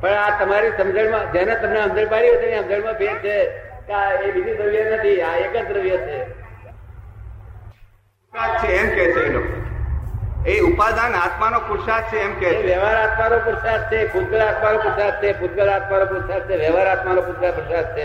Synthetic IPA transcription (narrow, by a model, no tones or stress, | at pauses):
pəɳat̪əmaɾisəmd͡ʒəɳmãd͡ʒanet̪əmneɦəmd͡ʒəɳpaɽiɦət̪ineɦəmd͡ʒəɳmãbʱeɡ̚t͡ʃʰekeaebid͡ʒʱid̪ɾəʋjanət̪ʰiaekəd͡ʒd̪ɾəʋjat͡ʃʰe | sad̪̚t͡ʃʰeːmkɛt͡ʃʰeelok | eupad̪anat̪manokʊɾsad̪̚t͡ʃʰeːmkɛeʋɛʋaɾat̪manopʊɾsad̪̚t͡ʃʰepʰud̪̚ɡəɭat̪manopɾəsad̪̚t͡ʃʰepud̪ɡəɭat̪manopʊɾsad̪̚t͡ʃʰeʋjəʋaɾat̪manopuɾsapɾəsad̪̚t͡ʃʰe